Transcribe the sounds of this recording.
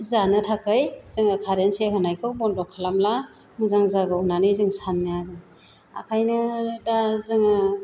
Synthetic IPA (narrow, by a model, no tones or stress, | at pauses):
zanɯtʰakʰɯjz̥ɯŋɯkʰaɾenseɦɯnajkʰɯwbɔndɔkʰːalamla | mɯzaŋzaɡɯnanizɯŋsanːiadɯa̰kʰajnɯdazɯŋɯ